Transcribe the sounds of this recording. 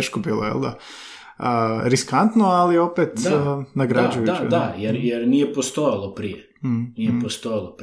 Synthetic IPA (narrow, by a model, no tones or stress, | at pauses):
ʃkobiːloḛld̪a̰ | əɾiskant̪noalio̞pet̪naɡɾad͡ʒujud̪ad̪ajeɾjeɾnijepost̪ojalˠopɾije | nijepost̪ojlˠop